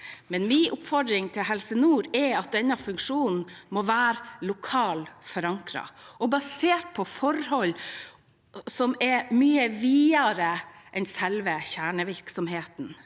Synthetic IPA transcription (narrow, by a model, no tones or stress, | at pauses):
mɛnmɪːʔʊpfɔɖ̪ɾɪŋt̪ʰɪlɦɛlsənuːɾɛɑt̪̚d̪ɛnːɑfʉŋkʂuːnn̩mɔʋæːɾlʊkʰɑːlfɔɾɑŋkɾɑ̰ʔɔbɑseːʈ̚pʰɔfɔɾhɔlː | sɔmɛɾmyːəʋiːɑɾəʔɛnsɛlʋəçæːɳəʋɪɾksɔmɦeːt̪n̩